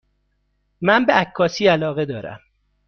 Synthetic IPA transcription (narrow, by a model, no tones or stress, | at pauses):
mænbeʔækʰːɒːsiːælɒːɣe̞d̪ɒːɾæ̰m